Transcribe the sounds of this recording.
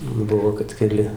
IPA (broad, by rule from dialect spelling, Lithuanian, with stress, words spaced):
ˈbʊʋoː kɐt kʲɛˈlʲɪ